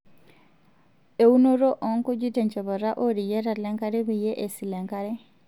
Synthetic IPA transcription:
e˨u˦no˦ɾo˦ʔɔ˨ŋkɔ˦d͡ʒi˦te˨ɲt͡ʃɔ˨βɔ˨ɾa˦ʔo˦ɾi˨je˦ɾa˨lɛ˦ŋka˦ɾe˦bi˨je˦ʔe˨si˨lɛ˨ŋka˦ɾɛ˦

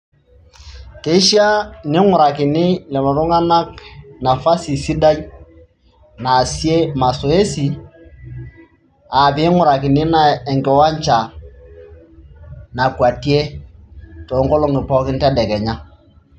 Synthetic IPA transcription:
ke˨i˦ʃi˦a˦nɪ˦ŋʊ˨ɾa˨kɪ˨nɪ˦lɛ˨lɔ˨ɾʊ˦ŋa˦na˦kna˨fa˦si˨si˦da˦i˦ | na˨si˦e˦ma˨sɔ˨e˦si˨ | a˨pi˨˦ŋʊ˨ɾa˨kɪ˨nɪ˦na˨ɛ˨ŋkɛ˨wa˦ɲ˦t͡ʃa˨ | na˨kwa˨ti˦e˦ | tɔ˨˦ŋɡɔ˦lɔ˦ŋɪ˨pɔ˦kɪ˦ntɛ˦dɛ˨kɛ˨ɲa˦

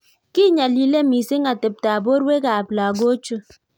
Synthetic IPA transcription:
ki˦ɲa˨li˨le˦mi˨si˦ŋa˨te˨p̚ta˨bo˦ɾwe˦ka˨pla˨ɡo˦t͡ʃu˦

